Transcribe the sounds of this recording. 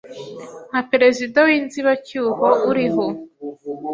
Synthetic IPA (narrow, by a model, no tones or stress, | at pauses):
n̥apeɾe̞zidawiːnziβacuːɦaʔuɾiɦo